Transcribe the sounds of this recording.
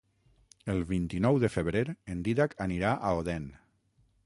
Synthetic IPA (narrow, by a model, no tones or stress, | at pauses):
əlˠβint̪inɔwðəfəβɾeɾend̪iðakaniɾaʔaoðɛn